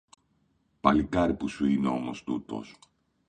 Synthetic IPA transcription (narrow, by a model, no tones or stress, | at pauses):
pɐlikɐɾipusuineo̞mo̞st̪ut̪o̞̰s